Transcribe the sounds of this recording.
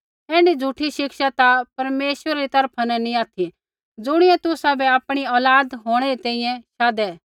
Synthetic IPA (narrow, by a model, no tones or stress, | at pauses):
ɛːɖid͡zʱuʈʰiʃɪkʃat̪apɐɾmeːʃʋəɾaɾit̪ɐɾpʰanɛnĩaːt̪ʰi | d͡zʊɽ̃ɪjɛ̃t̪ʊsabɛaːpɽ̃iɔːlaːd̪ɦoːɽ̃ɛɾit̪ɛ̃ːĩjɛ̃ʃaːd̪ɛ